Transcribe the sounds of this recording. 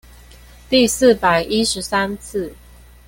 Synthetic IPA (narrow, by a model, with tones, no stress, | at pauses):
t̪i˥˧s̩˥˨pa˨˩ɪʔi˦˥ʂɻ̩˨˧˦sa˦˥nt͡s̩ʰ˥˩